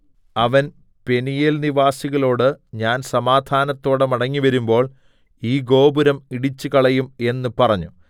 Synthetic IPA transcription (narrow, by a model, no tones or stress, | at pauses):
ɐʋɐn | pe̞nijelniʋaːsiɣɐlo̞ːɽɨɲaːnsɐmaːd̪ʱaːnɐt̪ːo̞ːɽɨmɐɽɐŋːiʋɐɾumbo̞ːɭ | iːɡo̞ːbuɾɐmiɽit͡ɕːukɐɭɐjume̞nːɨpɐrɐɲːu